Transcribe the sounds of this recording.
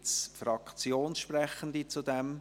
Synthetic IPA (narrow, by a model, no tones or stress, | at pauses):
sfɾɑkt͡sjoːnsʃpɾɛχən̩d̪it͡sud̪ɛm